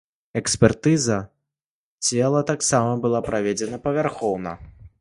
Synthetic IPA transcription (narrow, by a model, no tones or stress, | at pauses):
ɛksʲpʲɛrt̪ɨzɐ | t͡sʲɛlˠɐt̪aksamɐbɨlˠapɾavʲed͡zʲɛnɐpɐvʲarxɔwnɐ̰